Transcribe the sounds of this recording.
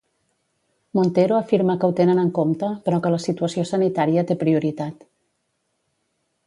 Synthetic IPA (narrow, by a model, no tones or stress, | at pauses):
mont̪eɾoəfiɾməkəwt̪enənəŋkomt̪əpəɾɔkələsit̪uəsiosənit̪aɾiət̪epɾiuɾit̪at̪